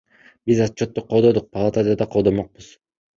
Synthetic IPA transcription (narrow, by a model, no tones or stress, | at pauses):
bizɑt͡ʃʰːot̪ːoqʰːo̞lˠd̪od̪uq̚pʰalˠat̪ad̪ɑd̪ɑqʰod̪omoq̚bɯz